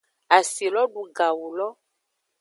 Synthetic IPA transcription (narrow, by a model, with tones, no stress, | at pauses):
a˨si˨lɔ˦ɖu˨ɡa˨wu˨lɔ˦